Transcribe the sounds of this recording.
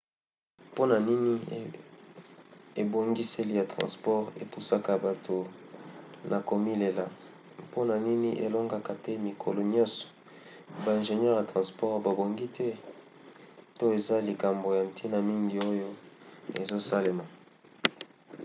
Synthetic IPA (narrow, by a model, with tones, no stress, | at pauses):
po˦na˨ni˦ni˦ | e˨bo˨ŋɡi˦se˦li˦ja˨tʁɑ̰̃˨spɔ˦ʁḛ˨pu˦sa˦ka˨ba˨tʰo˨ | nʔa˨ko˨mi˦le˨la˨ | po˦na˨ni˦ni˦ʔḛ˨lo˦ŋɡa˦ka˨tɛ˦mi˨kʰo̰˨lo˨ɲɔ̃˦sɔ̥˨ | ba˨ɛ̃˨nʒe˨ɲɛ˦ʁja˨tʁã˨spɔ˦ʁba˨bo˨ŋɡi˦tʰɛ˦ | to˦e˨za˦li˨ka˨mbo˨ja˨m̩˨tʰi˦na˨mi˦ŋɡi˨o˦jo˦ḛ˨zo˦sa˦le˨ma˨